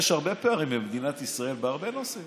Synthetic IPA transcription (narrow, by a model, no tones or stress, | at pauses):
ʃhaʁbepeaʁimimd̪inat̪isʁaelbeaʁbenose